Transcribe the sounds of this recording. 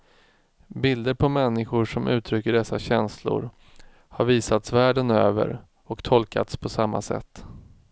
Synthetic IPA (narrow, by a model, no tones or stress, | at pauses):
bɪld̪əɾpʰɔmɛnːɪɧʊʂɔmʔʉ̟ːt̪ʰɾʏkːəɖɛsːaɕɛnslʊ̰ɾ | haɾviːsat̪svæːɖənøːvə̰ɾ | ɔkt̪ʰɔlka̰t̪spʰɔsamːa̰sɛ̰t̪ː